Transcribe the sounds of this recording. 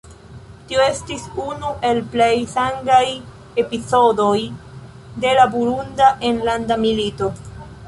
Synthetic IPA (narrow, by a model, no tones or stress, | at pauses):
tio̞e̞stisunuʔe̞lple̞jsaŋɡaj | e̞piso̞do̞j | de̞labuɾundaʔenlandamilito̞